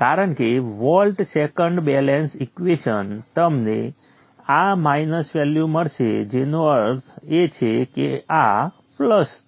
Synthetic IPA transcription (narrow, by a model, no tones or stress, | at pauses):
kaɾəɳkeʋɔlʈsekəɳɖbɛlensikʋeʃənt̪əmnḛ | amajnəsʋɛljuməɽʃḛd͡ʒenoəɾset͡ʃʰekḛa | pləs